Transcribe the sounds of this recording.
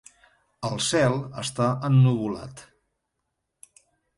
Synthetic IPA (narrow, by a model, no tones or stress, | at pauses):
əlˠsɛlˠə̰st̪aənːuβula̰t̪